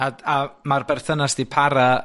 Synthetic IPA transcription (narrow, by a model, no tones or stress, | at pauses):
aamarbɛrθənasd̥ipʰaɾa